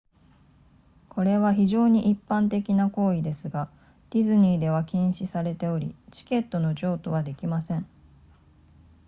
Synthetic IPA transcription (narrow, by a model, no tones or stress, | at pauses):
kʰo̞ɾe̞βaçiʑo̞ːɲ̟iʔipːãnt̪e̞kʲinako̞ːid̪e̞sɨɡa | d̪̥ʲizɨɲ̟iːd̪e̞βakʲẽɰ̃ɕisaɾe̞t̪e̞o̞ɾʲḭt͡ɕi̥ke̞t̪ːo̞no̞ʑo̞ːt̪o̞βad̪e̞kʲimasẽ̞ɴ